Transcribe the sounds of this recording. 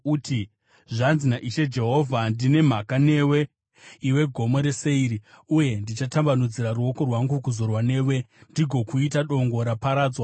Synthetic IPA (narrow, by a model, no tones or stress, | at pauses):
utʰi | ʐanzinaʔiʃe̞d͡ʒe̞ɦo̞vʱandine̞m̤akane̞ːwe̞ | iwe̞ɡʱo̞mo̞ɾe̞se̞iɾi | uje̞ndit͡ʃatambanud͡ziɾaruo̞ko̞rwaŋɡukuzo̞rwane̞ːwendiɡʱo̞kuitaɗo̞ŋɡo̞ɾapaɾaːd͡zwa